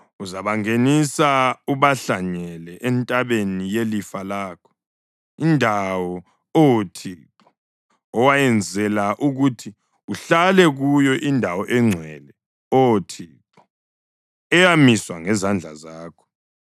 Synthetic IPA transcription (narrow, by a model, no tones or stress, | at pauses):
uzaβaŋenisauβaɬaɲɛlɛʔɛntʼaβenijelifalaːkʰɔ̥ | indʱawɔ | owotʰiǁɔ | ɔwajɛnd͡zʱɛlaʔuɣutʰi | uɬalɛɣujɔʔindʱawɔʔɛŋ͡ǀʱwɛlɛ | ɔwotʰiǁɔ̥ | ɛjamiswaŋɛzand͡ɮʱa̰zaːkʰɔ̥